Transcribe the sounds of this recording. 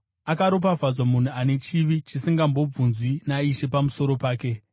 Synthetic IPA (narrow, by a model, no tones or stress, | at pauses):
akaɾo̞p̬avʱad͡zwamun̤uane̞t͡ʃiʋit͡ʃisiŋɡambo̞b͡vunzwinaiʃe̞pamuso̞ɾo̞paːke̞